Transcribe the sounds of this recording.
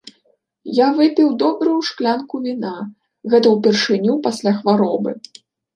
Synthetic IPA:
javɨpʲiwd̪ɔbɾɨjuʂklʲankuvʲina | ɣɛt̪ɐwpʲɛrʂɨnʲupasʲlʲaxvaɾɔbɨ

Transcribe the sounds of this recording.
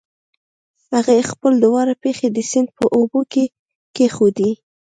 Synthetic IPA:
haɣaexpəld̪ʊwɑɾapexed̪əsɪnd̪̚pəʔoboke | kexod̪i

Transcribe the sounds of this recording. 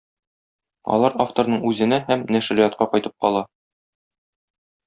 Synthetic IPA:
ɒ̰lˠɑɾaft̪oɾnɤɴʉzɘ̆næhæmnæʃɾijɑt̪̚qɑqɒjt̪ɤp̚qɒlˠɑ

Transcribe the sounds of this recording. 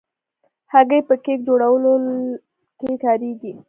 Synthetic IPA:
haɡəjpəkek̚d͡ʒoɽawəlo | kekɑɾiɡi

